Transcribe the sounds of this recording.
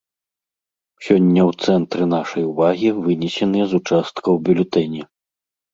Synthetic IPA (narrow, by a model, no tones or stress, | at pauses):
sʲɔnʲːɐwt̪sɛnt̪ɾɨnaʂɐjuvaɣʲivɨnʲɛsʲɛnɨjɛzut͡ʂast̪kɐwbʲulʲut̪ɛnʲi